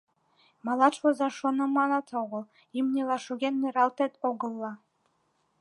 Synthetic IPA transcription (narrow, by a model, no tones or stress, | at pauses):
mɑlˠɑt͡ʃvozɑʃonɤ̆mɑnɑt̪ʰoʁɤ̆lˠ | imnʲelˠɑʃuɣʲenmeɾɑlˠt̪et̪oɡɤ̆lˠːɑ